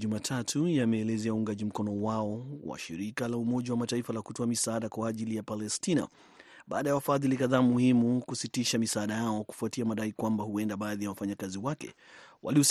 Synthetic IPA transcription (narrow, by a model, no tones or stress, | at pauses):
umatʰatʰujamɛːlɛzɛauuŋɡaʄim̩kɔnɔwaɔwa̰ʃiɾikalaumɔʄawamataifalakutɔamisaaɗakwaːʄilijapalɛstina̰ | bɓa̰ːɗajawafaðilikaðaːmuhimukusitiʃamisaːɗajaɔku̥fuatiamaɗaikwambahuɛndaɓaːðijawafaɲakaziwakɛ̰ | wa̰lius